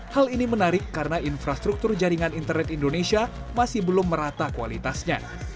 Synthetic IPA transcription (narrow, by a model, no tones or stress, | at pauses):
halinimənaɾɪkːaɾənainfɾast̪ɾuk̚t̪ʊrd͡ʒaɾiŋanint̪ərnɛt̪indonesia | masɪhbəlʊmːəɾat̪akualit̪asɲa̰